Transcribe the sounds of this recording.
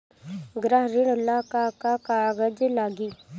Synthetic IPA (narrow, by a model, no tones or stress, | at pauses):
ɡɾaɦɾiɽlakakakaɡəd͡ʒlaɡi